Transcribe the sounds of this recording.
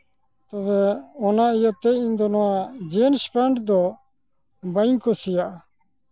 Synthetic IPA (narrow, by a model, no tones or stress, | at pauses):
t̪ɔβɛɔnaijɔt̪ːɛind̪ɔnɔad͡ʒenspɛɳɖd̪ɔ | bajŋkɔsijaʔ